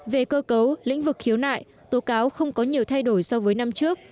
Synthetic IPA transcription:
ve˨˩kəː˧kə˨˦wlḭ̈˧˥ŋ̟vɨ˨˩k̚xi˨˦əwna̰ː˧˨j | t̪o˨˦kaː˨˦wxə˧wŋ͡mkɔ˨˦ɲi˨˩əwt̪ʰa˧jɗo˧˩jsɔ˧wvəː˨˦jna˧mt͡ɕɨ˦˥ək̚

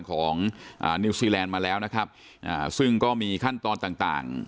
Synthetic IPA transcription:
nkʰɔː˩˦ŋʔa̰ː˨˩niː˧siː˧lɛː˧nmaː˧lɛː˦˥wna˦˥kʰa˦˥p̚ | ʔaː˨˩sɯ˥˩ŋkɔː˥˩miː˧kʰa˥˩nt̪ɔː˧nt̪aː˨˩ŋt̪a̰ː˨˩ŋ

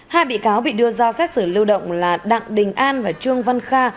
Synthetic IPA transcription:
haː˧jɓḭ˧˨kaː˨˦wɓḭ˧˨ɗɨ˧əzɔ˧sɛ˦˥t̚sɨ˧˩lɨ˧əwɗə̰˧˨wŋ͡mlaː˨˩ɗa̰ː˧˨ŋɗï˨˩ŋ̟ʔaː˧nvaː˨˩t͡ɕɨ˧əŋva˧nxaː˧

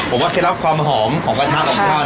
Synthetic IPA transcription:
pʰo˩˦waː˥˩ke˧˥˩ɾa˦˥p̚kʰwaː˧mɦɔː˩˦mkʰɔː˩˦kaː˧nʰaː˦˥ʔɔː˨˩kʰaː˧˩

